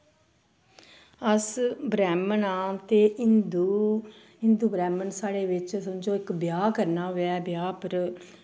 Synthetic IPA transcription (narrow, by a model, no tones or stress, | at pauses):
əsbɾɛːmənaːt̪eːnd̪u | ɪnd̪uːbɾɛːmənsaːɽeːʋɪt͡ʃsəd͡ʒoːɪkbjaːkəɾnaːʋɛːbɪjaːpəɾ